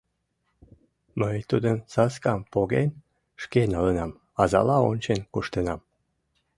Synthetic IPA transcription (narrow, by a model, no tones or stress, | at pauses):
məjt̪ud̪əmsɑskɑmpoɣen | ʃkenɑlənɑm | ɑzɑ̰lɑonʲt͡ɕenkuʃt̪enɑm